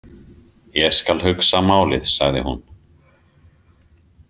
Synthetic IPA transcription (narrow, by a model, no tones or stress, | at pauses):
jɛɣskalɦʏksamaːwlɪ̰ðsa̰ɣðɪ̰hṵn